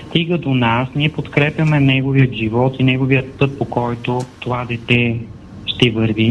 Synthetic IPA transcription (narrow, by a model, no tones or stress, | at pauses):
st̪iɡəd̪onasniɛpot̪kɾɛpjɐmɛnɛɡoviət̪ʒivɔt̪inɛɡoviət̪̚pɤt̪̚pokɔjt̪ot̪ovad̪ɛt̪ɛ | ʃt̪ɛvəɾvi